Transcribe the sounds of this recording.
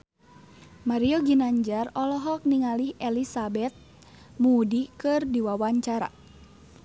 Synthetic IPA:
maɾiɔɡinaɲd͡ʒarɔlɔɦɔk̚niŋalihɛlisabɛt̪̚ | mudikɨrdiwawaɲt͡ʃaɾa̰

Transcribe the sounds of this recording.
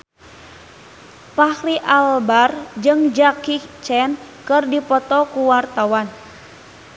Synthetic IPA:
pahriʔalbard͡ʒɨŋd͡ʒakit͡ʃɛnkɨrdipɔt̪ɔkuwart̪awan

